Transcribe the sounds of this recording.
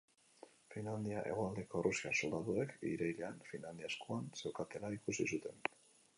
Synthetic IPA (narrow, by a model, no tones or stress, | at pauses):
finland̪iaʔe̞̰ɣoald̪e̞ko̞rusiaso̞ld̪aðuekḭɾejleanfinland̪iaskoanse̞wkat̪e̞laikusisut̪e̞n